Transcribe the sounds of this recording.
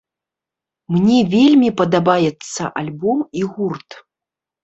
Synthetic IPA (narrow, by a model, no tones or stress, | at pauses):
mnʲɛvʲelʲmʲipɐd̪abajɛt̪sːɐʔalʲbɔmiɣurt̪